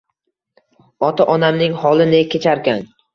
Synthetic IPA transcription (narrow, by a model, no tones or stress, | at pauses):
ɒt̪ʰaʔɒnamnɪŋhɒlˠɪnɪkʲʰːet͡ʃʰaɾkʲan